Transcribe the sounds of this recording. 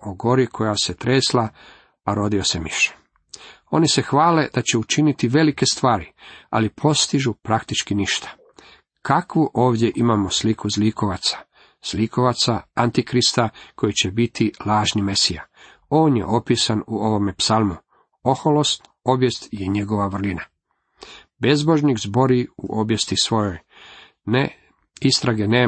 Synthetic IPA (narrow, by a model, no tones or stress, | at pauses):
oɡo̞ɾikʰo̞jaset̪ɾeːsla | aɾo̞d̪io̞se̞miʃe̥ | o̞nise̞xʋaːle̞d̪at͡ɕe̞ut͡ʃinit̪iʋe̞like̞st̪ʋaːɾia̰lipʰo̞st̪iʒupɾakt̪it͡ʃkiniʃt̪ḁ | kʰakʋuʔoːʋd̪je̞ʔimamo̞slikʰuzliko̞ʋat̪sḁ | sliko̞ʋat̪saant̪ikɾist̪akʰo̞jit͡ɕebit̪ʰilˠaːʒnimesija̰ | o̞ːnje̞̰ʔo̞piːsanuo̞ʋo̞mepsalˠmu | o̞xolost̪ | o̞bje̞st̪jeɲe̞ɡo̞ʋaʋr̩lina | be̞zbo̞ʒnikzbo̞ɾiṵʔo̞bje̞st̪isʋo̞joj | ne | ist̪ɾaɡeneː